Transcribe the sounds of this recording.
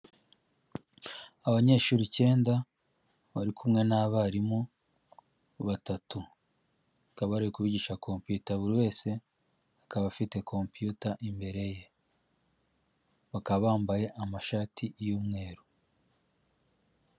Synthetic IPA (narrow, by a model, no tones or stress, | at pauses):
aβaɲe̞ːʃuːɾice̞ːnda | βaɾikʰumŋe̞naβaɾimu | βatatu | akaβaɾijekuβiɟiʃakʰo̞mpjutaβuɾiwe̞ːse̞ | akaβafite̞kʰo̞mpjutaʔimbe̞ɾe̞je̞ | βakaβaːmbaje̞ʔamaʃaːtʰijuːmŋe̞ːɾu